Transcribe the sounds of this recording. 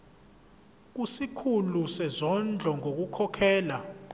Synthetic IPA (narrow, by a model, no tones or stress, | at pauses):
k̬usikʰulusɛzɔnd͡ɮʱɔŋok̬ukʰɔkʰɛːla